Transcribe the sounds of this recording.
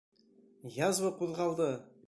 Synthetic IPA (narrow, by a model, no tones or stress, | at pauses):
jɑzwəquðʁɑlˠd̪ə